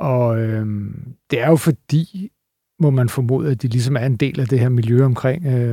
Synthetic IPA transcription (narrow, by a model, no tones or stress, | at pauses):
ʔɒ̽ømd̥e̝æɐjo̝fɒ̽d̥ḭː | mɒmænfɒ̽mo̝̰ːð̰ˠæd̥ilis̬ɒ̽mæɐe̝nd̥e̝̰ːlæd̥e̝heɐmiljøɒ̽mkʰʁeŋ̰ø